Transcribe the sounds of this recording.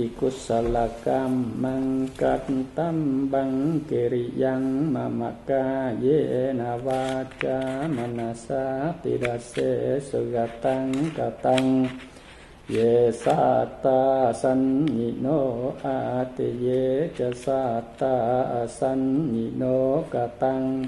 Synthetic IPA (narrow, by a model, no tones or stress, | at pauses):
ikusalakamaŋkat̪nt̪ambaŋkeɾijaŋmama̰kajenawat͡ʃamanasat̪ḭdasesəɡat̪aŋkat̪aŋ | jesat̪asanɲinoat̪ejet͡ʃasat̪asanɲinokat̪aŋ